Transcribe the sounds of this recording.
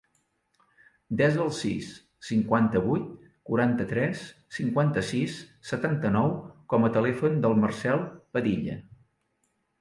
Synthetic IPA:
d̪ɛzəlˠsḭsː | iŋkwant̪əβujt̪̚ | kuɾant̪ət̪ɾɛsː | iŋkwant̪əsisːət̪ant̪ənɔwkɔmət̪əlɛfund̪əlˠmərsɛlˠpəðiʎə̰

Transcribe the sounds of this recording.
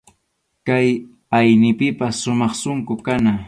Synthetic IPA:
kaj | ajnɪpɪpasːʊmɑχsʊŋkʊkana

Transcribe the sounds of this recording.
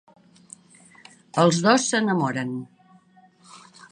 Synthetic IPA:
əlˠzðosːənəmɔɾən

